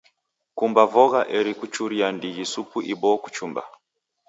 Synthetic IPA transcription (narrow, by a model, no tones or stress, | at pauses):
kumbavɔɣaʔɛɾikut͡ʃuɾiandiɣisupuʔibɔku̥t͡ʃumba̰